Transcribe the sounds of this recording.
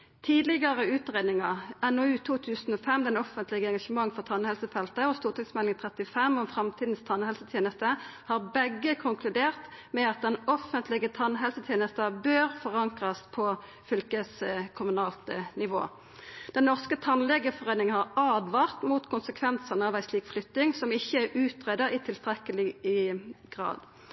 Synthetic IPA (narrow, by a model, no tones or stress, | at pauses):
t̪ʰiːd̪lɪɡəʁəʉːt̪ʁeːd̪nɪŋɑɛnɔʉːt̪ʰuːt̪ʰʉːsnɔfɛmd̪ɛnɔfənt̪lɪɡəɛŋɡɑʂəmɑŋːfɔʁt̪ʰɑnhɛlsəfɛlt̪əɔst̪uːʁt̪ʰɪksmɛlɪŋt̪ʰʁɛt̪ɪfɛmːɔmfʁɑmt̪ʰiːd̪n̩st̪ʰɑnhɛlsət̪ʰjeːnəst̪əhɑːʁbɛɡːəkʰʊŋkʰlʉd̪eːʁt̪mɛɑt̪̚d̪ɛnɔfənt̪ʰlɪɡət̪ʰɑnɦɛlsət̪ʰjeːnəst̪əbøːʁfɔʁɑŋkʁɑspʰɔ | fʏlkəskʰʊmʉnɑːlt̪nɪʋo̰ː | d̪̥ɛnːɔʁskət̪ʰɑnlɛɡəfɔʁeːnɪŋənhɑʁɑːd̪ʋɑːʁt̪muːt̪kʰʊnsəkʰʋɛnsənəɑːʋæɪsliːkflʏt̪nɪŋsɔmɪçːəæɾʔʉːt̪ʁeːd̪əʁɪt̪ʰɪlst̪ʁɛkəlɪ | ɡ̥ʁɑ̰ːd̪̥